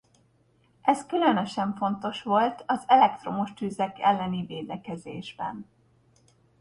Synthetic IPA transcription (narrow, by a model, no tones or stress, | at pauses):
ʔɛskylønøʃɛɱfo̞n̪t̪o̞ʃʋo̞lt̪ɒzɛlɛkt̪ro̞moʃt̪yːzɛkɛ̰lːɛniveːd̪ɛkɛzeːʒbɛ̰n